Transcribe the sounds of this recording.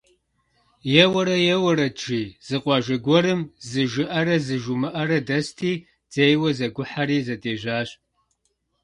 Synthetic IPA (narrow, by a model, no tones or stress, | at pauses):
jɛwɐɾɐjɛwɐɾɐʈ͡ʂiːz̥ɨqʷɑːʒɐɡʷɔɾɨmzɨʒɨʔɐɾɐzɨʒumɨʔɐɾɐdɐstʰiː | d͡z̥ejwɐzɐɡʷʊħaɾiːzɐdeːʒaːɕʼ